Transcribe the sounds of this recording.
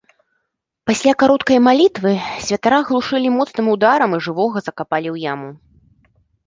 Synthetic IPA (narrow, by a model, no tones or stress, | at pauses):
pasʲlʲakaɾɔt̪kɐjmalʲit̪vɨsʲvʲɐt̪aɾaɣlˠuʂɨlʲimɔt̪snɨmud̪aɾɐmiʐɨvɔɣɐzɐkapalʲiwjamu